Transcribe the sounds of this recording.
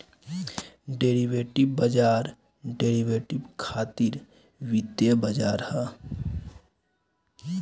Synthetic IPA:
ɖeːɾiʋeːʈibbəd͡ʒaːɾ | ɖeːɾiʋeːʈɪbkʰaːt̪ɪɾ | ʋɪd̪jəbəd͡ʒaːɾhɛ

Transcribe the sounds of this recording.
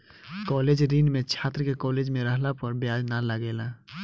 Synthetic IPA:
kɔːleːd͡ʒɾinmẽt͡ʃʰaːt̪ɾəkekɔːleːd͡ʒmẽɾəɦlapəɾbjaːd͡ʒnaləɡeːlaː

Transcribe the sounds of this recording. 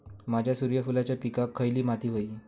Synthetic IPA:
mad͡ʑʱjasuɾjəfulat͡ɕjapikakʰːəjliːmat̪iːʋəiː

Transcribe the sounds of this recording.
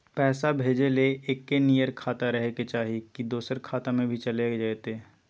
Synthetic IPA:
pɛːsabʱeːd͡ʒeleeːkːenijəɾkʰaːt̪aɾɛɦeket͡ʃaːɦikid̪uːsəɾkʰaːt̪amẽbʱit͡ʃɐled͡ʒaːet̪eː

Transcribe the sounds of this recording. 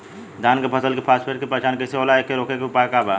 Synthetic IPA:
d̪aːnkepʰəsəlkepʰaːsʈpʰeɾkepɛt͡ʃʰaːnkeseoːlaekːeɾoːkekeʊpaːekaːbaː

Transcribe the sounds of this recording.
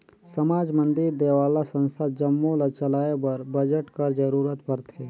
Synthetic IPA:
sɐmaːd͡ʒmə̃nd̪ɪɾd̪eːʋaːlasə̃nsad̪d͡ʒɐmːõlɐt͡ʃɐlaːebɐɾbəd͡ʒəʈkɐɾd͡ʒɐɾuːɾət̪bpɐɾt̪ʰeː

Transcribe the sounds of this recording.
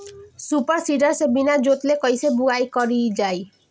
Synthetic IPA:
supaɾsiʈaɾsebinad͡ʒot̪lekɔjsebuajkɔɾid͡ʒaj

